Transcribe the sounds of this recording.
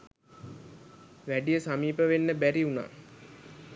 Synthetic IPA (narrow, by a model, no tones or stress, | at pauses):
ʋæɖijəsamiːpəʋenːəbæɾiuna̰ː